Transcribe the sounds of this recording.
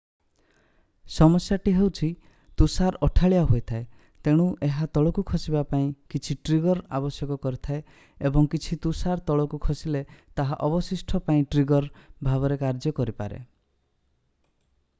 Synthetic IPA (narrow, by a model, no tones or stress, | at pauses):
sɔmɔsjaʈiɦewt͡ʃʰi | t̪usaɾɔʈʰaɭiaɦojt̪ʰae | t̪eɽ̃uʔeɦat̪ɔɭɔkukʰɔsibapaĩkit͡ʃʰiʈɾiɡɔɾa̰bɔsjɔkɔkɔɾit̪ʰae | ebɔŋkit͡ʃʰit̪usaɾt̪ɔɭɔkukʰɔsilet̪aɦaʔɔbɔsisʈʰɔpaĩʈɾiɡɔɾbʱaβɔɾekaɾd͡ʒɔkɔɾipa̰ɾḛ